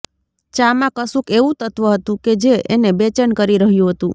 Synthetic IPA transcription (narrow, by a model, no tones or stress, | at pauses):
t͡ʃamãkəsũkeʋũt̪ət̪ʋəɦət̪ũked͡ʒeenebet͡ʃənkəɾiɾəɦjũɦət̪ũ